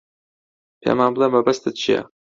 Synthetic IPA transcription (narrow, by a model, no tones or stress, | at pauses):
pʰḛmaːnblˠemɐbɐst̪ɨt̪̚t͡ʃʰijɐ̰